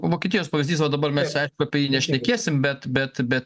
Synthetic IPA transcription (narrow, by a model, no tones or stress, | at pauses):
ʋoːkʲɛt̪ʲɪjoːspɐʋʲɪzʲd̪ʲisʋɐd̪ɐbɐɾmʲɛsɐɪʃkʊɐpʲɛjiːnʲɛʃʲnʲɛkʲeːsʲɪmbʲɛt̪bʲɛt̪bʲɛt̪